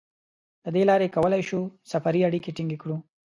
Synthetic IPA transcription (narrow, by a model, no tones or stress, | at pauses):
d̪̥əd̪elɑɾekawəlajʃusafaɾiaɽikeʈiŋɡekɽu